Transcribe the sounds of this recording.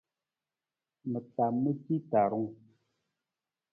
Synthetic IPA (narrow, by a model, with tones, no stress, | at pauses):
mə˨ta˨mːə˦ti˦ta˨ɾɔ˦ŋ